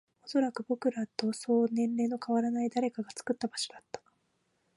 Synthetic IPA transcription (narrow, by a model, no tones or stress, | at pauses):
o̞so̞ɾakɯ̟bokɯ̟ɾat̪o̞so̞ːnẽ̞nːe̞no̞kaβaɾanaid̪aɾe̞kaɡat͡sɨ̥kɯ̟t̪ːabaɕo̞d̪at̪ːḁ